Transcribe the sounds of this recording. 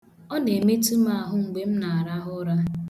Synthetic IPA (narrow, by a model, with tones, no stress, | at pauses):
ɔ˦ne˨me˦tu˦ma˦˨a˨ɦʊ˦ŋ̩˨ɡ͡be˦m̩˦na˨a˨ɾa˦ɦʊ˦ɾa˦